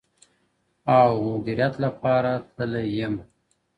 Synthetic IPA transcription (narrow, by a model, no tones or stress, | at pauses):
awmʊd̪iɾjat̪lapɑɾat̪ʰəlajəm